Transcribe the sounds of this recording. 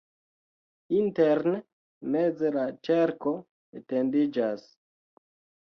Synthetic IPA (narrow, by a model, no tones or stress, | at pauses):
inteɾn | med͡zelat͡ʃeɾko̞ | etendid͡ʒas